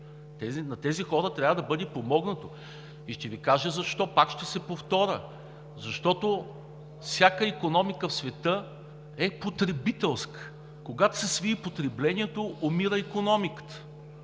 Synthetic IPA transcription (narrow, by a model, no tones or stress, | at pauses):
t̪ɛzinɐt̪ɛzixɔɾət̪ɾʲavəd̪ɐbɤd̪ɛpomɔɡnɐt̪o | iʃt̪ɛvikaʒəzɐʃt̪ɔpakʃt̪ɛsɛpoft̪ɔɾʲə̰ | zɐʃt̪ɔt̪o | fsʲjakəikonɔmikəfsvɛt̪ɤ | ɛpot̪ɾɛbit̪ɛlˠskə̥ | koɡat̪o̥sɛsviipot̪ɾɛblɛnʲiɛt̪oomiɾəikonɔmikə̥t̪ə̥